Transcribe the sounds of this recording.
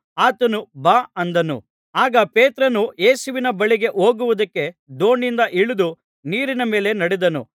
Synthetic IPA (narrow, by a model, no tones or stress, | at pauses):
aːt̪ɐnubaːɐnd̪ɐnṵ | aːɡɐpeːt̪ɾɐnujeːsuʋinɐbɐɭiɡe̞ʔoːɡuʋud̪ɐkːe̞d̪o̞ːɳind̪ɐʔiɭud̪u | niːɾinɐme̞ːle̞nɐɽɛd̪ɐnṵ